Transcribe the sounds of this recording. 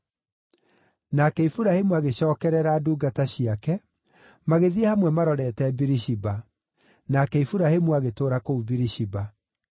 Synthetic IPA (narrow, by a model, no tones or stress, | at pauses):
nakɛifuɾahemuaɣeɕɔːkɛɾɛɾaːduːɡataɕiakɛ | maɣeðiehamwɛmaɾɔɾɛtɛbiɾiɕiba | nakɛifuɾahemuaɣetoːɾakoubiɾiɕiba